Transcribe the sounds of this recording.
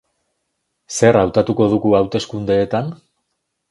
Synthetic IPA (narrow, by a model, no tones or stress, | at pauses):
se̞ɾawt̪at̪uko̞ð̞uɣuawt̪e̞skund̪e̞ːt̪an